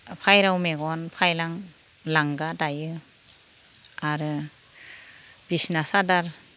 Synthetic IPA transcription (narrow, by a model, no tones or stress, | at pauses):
pʰajɾawmeɡɔnpʰajlaŋ | laŋɡadajɯ | aɾɯ | b̥isnasadaɾ